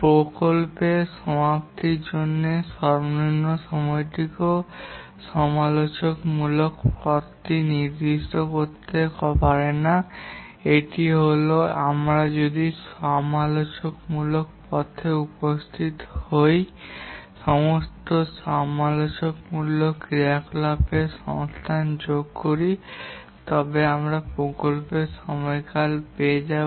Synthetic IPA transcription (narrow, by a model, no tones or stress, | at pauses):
pɾokolpeʃɔmapt̪iɾd͡ʑonːeʃɔɾboninːoʃɔmɔjʈ̪iko | ʃɔmalot͡ɕokmulokpɔt̪ːiniɾd̪iʃʈokoɾt̪ekɔpaɾena | eʈiɦoloamɾad͡ʑod̪iʃɔmalot͡ɕokmulokpɔt̪ʰeupost̪ʰit̪hoj | ʃɔmost̪oʃɔmalot͡ɕok̚mulːokɾiaklapeʃɔ̰ŋst̪ʰand͡ʑoɡ̚koɾi | t̪ɔbeamɾapɾokolpeʃɔmɔjkalpeed͡ʑa